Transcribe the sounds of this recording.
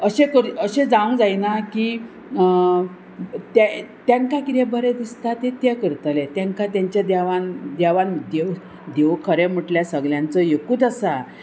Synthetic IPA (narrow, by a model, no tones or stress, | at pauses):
əɕekəɾəɕẽd͡zãũd͡zajnaki | t̪t̪jaŋkakit̪ebəɾed̪ist̪at̪et̪jɛkəɾt̪əlet̪jãŋkat̪̬jaɲt͡ɕjad̪aʋand̪aʋand̪eʋ | d̪eʋkʰəɾem̤əʈljasəɡljant͡səjekuːt̪əsa